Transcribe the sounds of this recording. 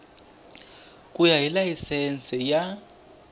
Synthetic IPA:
kʼujajilajisɛnt͡sʼɛja

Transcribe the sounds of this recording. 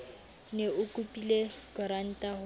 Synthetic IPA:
neʊkʼupʼilekʼɔɾan̩tʼahʊ

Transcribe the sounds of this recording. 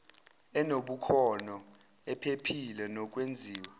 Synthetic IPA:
ɛnoɓukʰɔnɔ | ɛpʰepʰilɛnɔk̬ʼwend͡zʱiːwɛ

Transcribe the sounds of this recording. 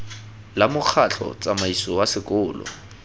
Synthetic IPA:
lamʊk͡xʰaɬʰɔ̰t͡sʼamaisɔwasɪkʼʊːlɔ̰

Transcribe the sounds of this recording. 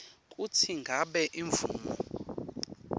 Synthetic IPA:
k̬ʼutʰiŋɡʱaɓɛʔiɱvṵːmɔ

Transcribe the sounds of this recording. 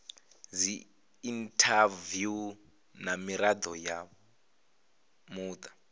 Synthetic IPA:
zi | intʰavju | namiɾad̪ɔja | muːt̪ʰʼḁ

